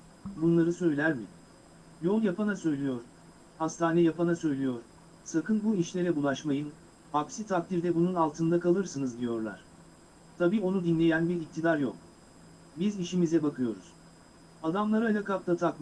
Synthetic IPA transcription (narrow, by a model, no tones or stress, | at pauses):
bunlˠaɾɯsø̞jlʲæɾmɪ̰ | jo̞lˠjapanasø̞jlʲijo̞ɾ̥ | hast̪ʰaːnɛjapanasø̞jlʲijo̞ɾ̥ | sakʰɯnbuiʃlʲe̞ɾɛbulˠaʃmajɯn | hapsit̪ʰak̚t̪ʰiɾd̪ɛbununalˠt̪ʰɯnd̪akalˠɯɾsɯnɯzd̪ijo̞ɾlˠa̰ɾ̝̥ | t̪ʰabiːo̞nud̪inlʲe̞jænbiɾik̚t̪ʰid̪aɾjok̚ | biziʃimizɛbakʰɯjo̞ɾuz̥ | ad̪amlˠaɾalʲakap̚t̪at̪ʰakm